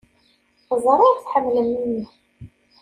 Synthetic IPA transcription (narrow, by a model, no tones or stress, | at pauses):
zˤɾˤɑɾˤθħəmːləmːinːi